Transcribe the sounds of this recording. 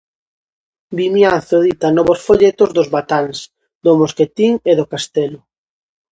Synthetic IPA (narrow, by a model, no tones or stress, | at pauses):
bimjanθoðit̪anɔβosfoʎet̪ʊzðʊzβat̪als | d̪ʊmosket̪iŋeðʊkast̪ɛlʊ